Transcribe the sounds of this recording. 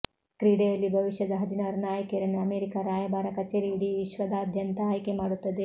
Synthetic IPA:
kɾiːɽejɐlːibʱɐʋiʃjɐd̪ɐɦɐd̪ʱinaːɾunaːjɐkeɾɐnːeɐmeːɾikaɾaːjɐbaːɾɐkɐt͡ʃeːɾiːɽiʋiʃʋɐd̪aːd̪ʱjɐnt̪ɐɦɐjkemaːɽut̪ːɐd̪e

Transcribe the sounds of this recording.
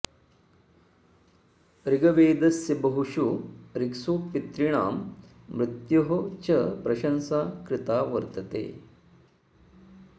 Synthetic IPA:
ɾiɡɐʋeːd̪ɐsjɐbɐɦuʂuɾiksupit̪ɾiɳaːmː | ɾut̪jɐɦɐt͡ʃɐpɾɐʃɐnsaːkɾɪt̪aːʋɐɾt̪ɐt̪ḛː

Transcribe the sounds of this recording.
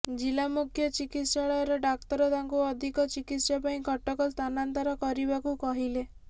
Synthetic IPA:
d͡ʒilamukʰjɔt͡ʃikit̪ʃaɭɔjɔɾɔɖak̚t̪ɔɾɔt̪aŋkuɔd̪ʱikɔt͡ʃikit̪sɔpaĩkʰɔʈɔkɔst̪ʰanant̪ɔɾɔkɔɾibakukɔɦile

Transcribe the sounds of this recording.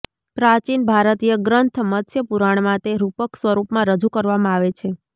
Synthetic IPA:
pɾat͡ʃinbʱaɾət̪ijəɡɾənt̪ʰmət̪ʰjəpuɾaɳ̃mãt̪eɾupəksʋəɾupmãɾəd͡ʒukəɾʋamãaʋet͡ʃʰe

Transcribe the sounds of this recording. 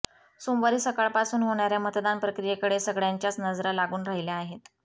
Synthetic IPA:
somʋaɾiːsəkaɭpasuːnɦoɳaɾjamət̪d̪anpɾəkɾijekəɽesəɡɭjaɲt͡ɕjat͡snəd͡zɾalaɡuːnɾaɦiljaːɦet̪

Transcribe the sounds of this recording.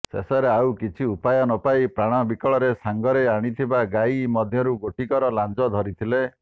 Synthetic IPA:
sḛsaɾeawkit͡ʃʰiupajɔnɔpaipɾaɽ̃ɔbikɔɭɔɾesaŋɡɔɾeaɽ̃it̪ʰibaɡajmɔd̪ʱjɔɾuɡoʈikɔɾɔland͡ʒɔd̪ʱɔɾit̪ʰile

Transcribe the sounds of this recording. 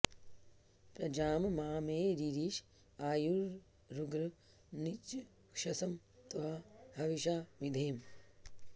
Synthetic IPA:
pɾɐd͡ʒaːmmaːmeːɾiɾiːʃ | aːjuɾː | uɡɾɐ | nit͡ʃ | kʃɐsɐm | t̪ɐɦahɐʋiʃaːmid̪ʱeːm

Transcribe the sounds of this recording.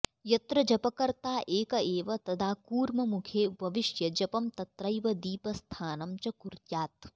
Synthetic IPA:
jɐt̪ɾɐd͡ʒɐpɐkɐɾt̪aːʔeːkɐeːʋɐt̪ɐd̪ʱaːkuːɾmɐmukʰeːbʱɐʋiʃjɐd͡ʒɐpɐmt̪ɐt̪ɾɐjʋɐd̪iːpɐst̪ʰaːnɐmt͡ʃɐkuɾjaːt̪̚

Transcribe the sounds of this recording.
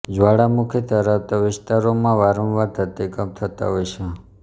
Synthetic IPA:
d͡ʒʋaɽamukʰit̪əɾəft̪əʋɪst̪aɾomãʋaɾə̃mʋaɾt̪ʰət̪ekəmt̪ʰət̪a̰ɦojt͡ʃʰe

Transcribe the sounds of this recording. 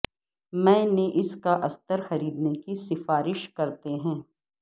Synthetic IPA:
mɛ̃ːneʔɪskaʔɐst̪əɾxɐɾiːd̪nekisɪfaːɾɪʃkɐɾt̪eɦɛ̃ː

